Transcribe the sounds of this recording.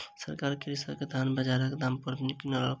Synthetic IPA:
sə̰ɾkaɾkiɾisəked̪ʱanbəd͡ʒaɾəkd̪ampuɾb̪nikinɔɾɔ

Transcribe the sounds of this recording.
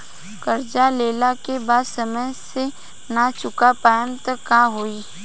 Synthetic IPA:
kɐɾd͡ʒaleːlakebaːd̪sɐməjse | nat͡ʃʊkapaːjəmt̪əkaɦoːi

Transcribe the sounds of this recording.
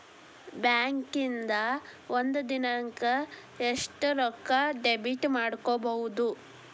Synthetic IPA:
bjaːŋkind̪ɐond̪ud̪inɐŋkɐ | eʂʈuɾɔkːɐɖebiʈmaːɽkoːbɐɦud̪u

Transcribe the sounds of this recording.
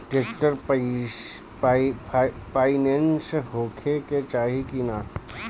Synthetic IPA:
ʈeːkʈəɾ | paːɪnẽnsɦoːkʰeket͡ʃaːɦikinaː

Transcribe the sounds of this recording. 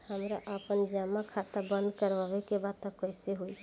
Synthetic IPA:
həmɾaʔəpənd͡ʒamakʰat̪abənd̪kəɾbabekebad̪̚t̪əkəjseɦoj

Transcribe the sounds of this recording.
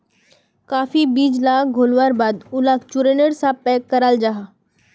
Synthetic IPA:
kaːfibiːd͡ʒlaːk̚ɡʱoːlwaɾbaːd̪ʊlaːkt͡ʃʊɾenəɽsapɛːkːəɾald͡ʒaːɦa

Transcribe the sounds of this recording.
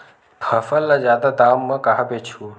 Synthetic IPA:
pʰɐfəlːazjaːd̪ad̪aːmːɐ̃kaɦabet͡ʃʰu

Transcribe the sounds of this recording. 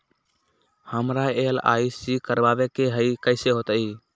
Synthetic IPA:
həmɾaela̰ːisikəɾbaːʋekeɦəikəɪseɦoːt̪iː

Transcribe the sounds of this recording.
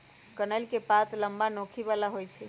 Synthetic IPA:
kənəlkepat̪ləmbanokʰiβalaɦojt͡ʃʰɛ

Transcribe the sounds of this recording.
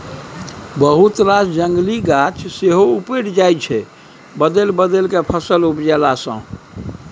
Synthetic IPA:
bəɦut̪ɾasd͡ʒəŋɡliɡat͡ʃʰseɦoupeɽd͡ʒajt͡ʃʰɛ | bəd̪elbəd̪elkepʰəsəlupd͡ʒɛlasə̰̃

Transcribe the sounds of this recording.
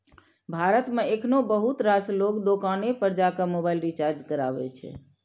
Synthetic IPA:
bʱaɾət̪mẽekʰnobəɦut̪ɾaslokd̪okanepəɾd͡ʒakəmobailɾit͡ʃaɾd͡ʒkəɾa̰ʋɛ̰t͡ʃʰɛ̰

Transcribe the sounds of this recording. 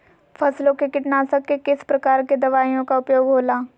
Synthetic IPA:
fʰɐslõkekɪʈnaːsəkːekɪspɾɐkaːɾked̪ɐʋaːijõkaʊpjoːɡɦoːlaː

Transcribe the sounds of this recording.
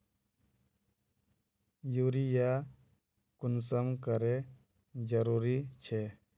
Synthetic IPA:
juɾija | kʊnsəmkəɾe | d͡ʒəɾuɾit͡ʃʰe

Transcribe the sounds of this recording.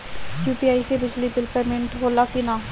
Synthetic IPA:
juːpiːaːisebɪd͡ʒlibɪlpəɾmɪ̃ɳʈɦoːlːakinaː

